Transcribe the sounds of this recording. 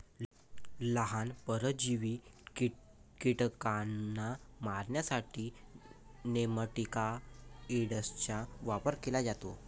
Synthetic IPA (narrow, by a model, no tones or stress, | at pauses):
ləɦanpəɾəd͡ʑiʋi | kiʈkanamaɾɳjasaʈʰiː | neməʈikaeɽəst͡ɕaʋapəɾkelad͡ʑat̪o